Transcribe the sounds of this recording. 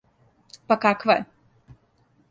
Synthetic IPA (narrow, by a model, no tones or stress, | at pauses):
pakakʋajɛ̰